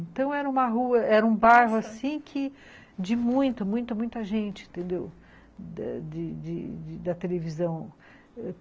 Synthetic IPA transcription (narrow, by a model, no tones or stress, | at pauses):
nt̪ɐ̃w̃ɛɾɐũmɐɦuɐɛɾɐũbajɦʊasĩkʰɪ | d͡ʒɪmũj̃t̪ɐmũj̃t̪ɐmũj̃t̪ɐʒẽnt͡ʃɪẽnt̪ẽnd̪ew | d̪ɐ̰d͡ʒɪd͡ʒɪ̰d͡ʒɪd̪ɐt̪elevizɐ̃w̃